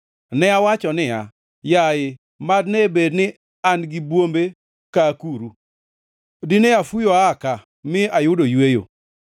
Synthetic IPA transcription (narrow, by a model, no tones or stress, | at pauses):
nɛawat͡ʃɔnɪa | jaɪ | madnebednɪ | anɡɪbwombe | kakuɾu | dɪneafujoaka | mɪajʊdojwejo̰